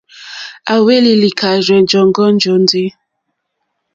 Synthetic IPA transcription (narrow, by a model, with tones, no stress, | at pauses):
a˨we˦li˨li˨kʰa˨ɾɛ˨nd͡ʒɔ˨ŋ˦ɡɔ˦n˦d͡ʒɔ˨n˦de˦